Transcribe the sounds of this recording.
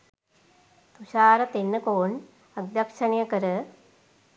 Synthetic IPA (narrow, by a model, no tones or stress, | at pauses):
t̪uʃaːɾɐt̪enːɨkoːɳ | ɐɡ̚d̪jɐkʂɐɳjɐkɐɾɨ